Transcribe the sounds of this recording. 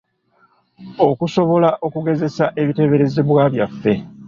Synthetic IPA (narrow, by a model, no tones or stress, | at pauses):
o̞kuso̞βo̞laʔo̞kuɡe̞ze̞saʔe̞βite̞βe̞ɾe̞zeβwaːβjafːe̞